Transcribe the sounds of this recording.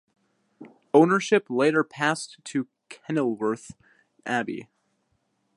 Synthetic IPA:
õʊ̃nə˞ʃɪpleɪɾə˞pʰæstʰɨ | kʰɛnl̩ˠwə˞θ | ʔæbḭ

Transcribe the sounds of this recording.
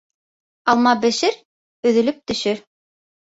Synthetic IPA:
ɑlˠmɑbɘ̆ʃɘɾ | ɵ̆ðɵ̆lɵp̚t̪ɵ̆ʃɵ

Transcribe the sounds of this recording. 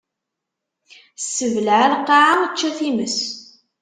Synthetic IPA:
sːəvəlʕalqːɑʕat͡ʃːæθiməs

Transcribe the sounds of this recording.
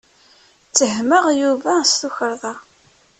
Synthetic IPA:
t͡sːəhməʁjuvæst̪uçəɾˤðˤɑ

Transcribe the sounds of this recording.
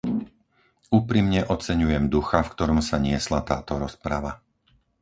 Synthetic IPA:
uːpɾimɲɛʔɔt͡sɛɲujɛmd̪uxafkt̪ɔɾɔmsaɲɪɛslat̪aːt̪ɔɾɔspɾaʋa

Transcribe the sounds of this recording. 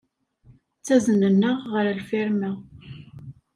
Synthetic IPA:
t͡sːæzənənːəʁːəɾlfiɾmæ

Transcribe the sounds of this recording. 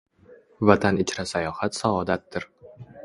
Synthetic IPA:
vat̪ʰanɪt͡ʃɾasajɒhat̪saɒd̪at̪̚d̪ɪɾ

